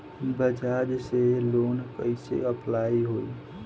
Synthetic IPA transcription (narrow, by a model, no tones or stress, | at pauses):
bəd͡ʒaːd͡ʒseloːnkəɪsḛəplaːiɦoːi